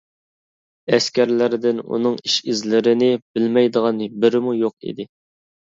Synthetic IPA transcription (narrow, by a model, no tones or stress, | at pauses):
ɛskʲæɾlɪɾd̪ɪnṵnɨŋiʃɪzlɪɾɪnɪbɪlmɛjd̪əʁɑnɨbɪɾɪmujoq̚ḭd̪ɪ